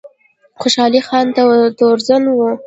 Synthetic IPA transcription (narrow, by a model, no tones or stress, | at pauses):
xoʃɑlixɑnt̪at̪oɾzanwu